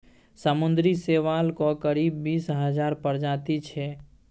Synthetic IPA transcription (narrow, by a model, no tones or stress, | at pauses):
samʊnd̪ɾiseʋalkokəɾibːisɦəd͡ʒaːɾpəɾd͡ʒat̪it͡ʃʰɛ